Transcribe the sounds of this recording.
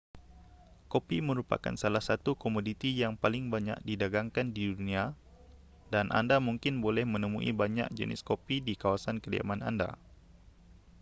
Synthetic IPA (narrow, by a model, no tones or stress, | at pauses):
kopiməɾupa̰ka̰nsalahsat̪ukomodit̪ijaŋpalɪŋbaɲa̰k̚didaɡaŋkandiduunia | danʔa̰ndamuŋkɪnbolɛhmənəmṵʔḭbaɲa̰k̚d͡ʒə̰nɪ̰skopidikawasankədia̰mana̰nda̰